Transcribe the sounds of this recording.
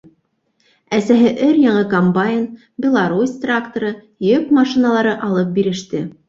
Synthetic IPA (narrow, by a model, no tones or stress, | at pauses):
æsæɦɘʔɵɾjɑɴɤkombajɪn | bʲɪlˠaɾusʲt̪rakt̪oɾɤ | jɵkmɑʃinalˠɑɾɤʔɑlˠɤp̚biɾɘ̆ʃt̪ɘ